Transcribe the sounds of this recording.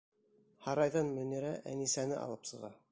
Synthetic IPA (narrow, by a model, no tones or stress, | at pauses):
hɑɾɑjðɑnmɵ̆nɘ̆ɾæʔæ̰nisænɘʔɑ̰lˠɤpsɤ̆ʁɑ